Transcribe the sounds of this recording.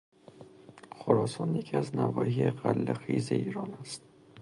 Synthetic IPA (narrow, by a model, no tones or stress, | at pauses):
xoɾɒːsɒːnjecʰiæznævɒ̰ːhieɣælːexḭːzḛiːɾɒːnæst̪̚